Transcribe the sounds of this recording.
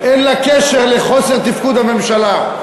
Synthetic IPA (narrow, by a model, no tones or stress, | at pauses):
ʔenlakeʃeʁleχo̞seʁt̪ifkud̪hame̞mʃala